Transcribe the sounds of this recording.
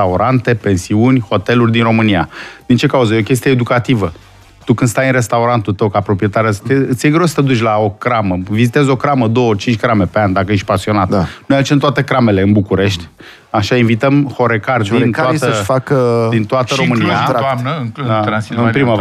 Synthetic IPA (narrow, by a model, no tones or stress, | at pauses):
auɾant̪e̞pe̞nsiunʲho̞t̪e̞lurʲd̪inro̞mɨniad̪̥int͡ʃe̞kauzəeo̞kʲe̞s̬t̪ijeed̪ukat̪ivə | t̪ukɨnd̪st̪ajɨnre̞st̪auɾant̪ult̪əwkapɾo̞pije̞t̪aɾeast̪eɨt̪sijeɡɾosə̥t̪ed̪ut͡ʃʲlao̞kɾaməvizit̪e̞zo̞kɾaməd̪o̞wot͡ʃint͡ʃkɾame̞peanʲd̪akəjeʃʲpasio̞nat̪anujaut͡ʃemt̪oat̪e̞kɾame̞le̞ɨnbukuɾe̞ʃt̪ʲ | aʃainvit̪əmho̞ɾe̞kardintkoaəfakəd̪int̪oat̪əɾo̞mɨniaanəɨŋkluaaspɾima